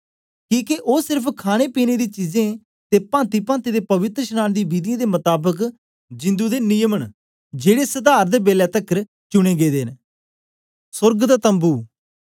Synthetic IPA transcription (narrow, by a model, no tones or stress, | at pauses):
kĩːkeʔoːsɪɾpʰkʰaːɽ̃eːpiːneːd̪iːt͡ʃiːzẽː | t̪eːpãːnt̪iːpãːnt̪iːd̪eːpɐʋɪt̪ɾəʃənaːnd̪iːbiːd̪ijãːd̪eːmət̪aːbək | d͡ʒɪ̃nd̪uːd̪enɪjəməɳ | d͡ʒeːɽesəd̪aːɾd̪eːbeːlɛːt̪əkːəɾ | t͡ʃʊɽ̃ẽːɡeːd̪eːn | sʊɾɡd̪aːt̪ə̃mbuː